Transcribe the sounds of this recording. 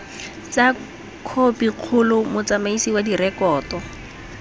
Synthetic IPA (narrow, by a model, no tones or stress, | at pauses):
t͡sa | kʰopiq͡χʰʊlʊmʊt͡samaisiwadirɛkɔːtɔ